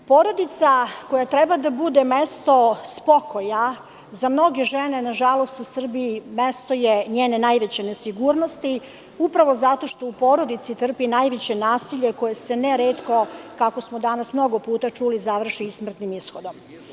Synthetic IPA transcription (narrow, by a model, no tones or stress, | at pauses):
po̞ːɾo̞d̪it̪sako̞jat̪ɾɛbad̪abud̪e̞mest̪o̞spo̞ko̞ja | zamno̞ɡe̞ʒenenaʒalo̞st̪usr̩biimest̪o̞jeɲeːnenajʋet͡ɕenesiɡuːɾno̞st̪i | upɾaʋo̞zat̪o̞ʃt̪o̞upo̞ːɾo̞d̪it̪sit̪r̩pinajʋet͡ɕe̞naːsiʎe̞ko̞jeseneɾeːt̪ko̞kako̞smod̪anasmno̞ɡo̞puːt̪at͡ʂulizaʋr̩ʃiismr̩t̪nimisxod̪o̞m